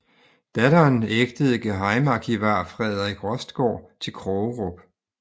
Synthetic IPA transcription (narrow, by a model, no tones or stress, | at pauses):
d̥æɾɐːneɡ̥d̥əð̞̩ˠɡ̥eɦɑ̈ɪmɑɡ̥ʰiʋɑ̈ːfʁɛð̞ˠɐiɡ̥ʁɒ̽sd̥ɡ̥ɒ̰ːt͡sʰe̝lkʰʁɔʁɔb̥